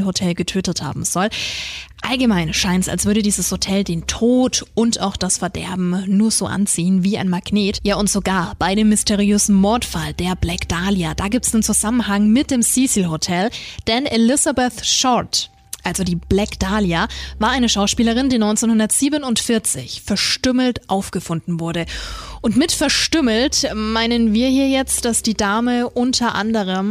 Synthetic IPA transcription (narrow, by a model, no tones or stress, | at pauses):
hotʰɛlɡətʰøːtətha̰ːbm̩z̥ɔlʔalɡəmaɪnʃaɪnsa̰lsv̥ʏɐɾədiːzəshotʰɛldeːntʰoːtʔʊnta̰ʊxd̥asfɛɐdɛ̰ɐbm̩nuːɐz̥o̰ːʔa̰nt͡siːənviːʔa̰ɪnmaɡ̥neːtjaːʊntz̥oɡaːɐb̥aɪdeːmːɪstʰeʁiøːzn̩mɔɐtfald̥eːɐblɛkd̥aːljad̥aːɡiːp̚tsd̥eːnt͡suzamənɦaŋmɪt̚d̥eːmsiːsilɦotʰɛld̥ɛnʔelɪzabɛθʃɔt | ʔalzodiːblɛkd̥aːljavaːɐʔaɪnəʃaʊʃpiːləʁ̞ɪndiːnɔʏnt͡senhʊndɐtz̥iːbənʊntfɪɐt͡sɪ̰çfɛɐʃtʏml̩tʔaʊfɡ̥əfʊndn̩vʊɐɾəʔʊntmɪtfɛɐʃtʏml̩tmaɪnənviːɐhiːɐjɛt͡std̥asd̥iːdaːməʔʊntʰɐʔa̰ndəʁ̞əm